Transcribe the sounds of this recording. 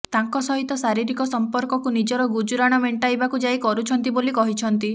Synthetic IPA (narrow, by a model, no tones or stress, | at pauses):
t̪aŋkɔsɔɦit̪ɔsaɾiɾikɔsɔmpɔɾkɔkunid͡ʒɔɾɔɡud͡ʒuɾaɽ̃ɔmeɳʈajbakud͡ʒajkɔɾut͡ʃʰɔnt̪ibolikɔɦit͡ʃʰɔnt̪i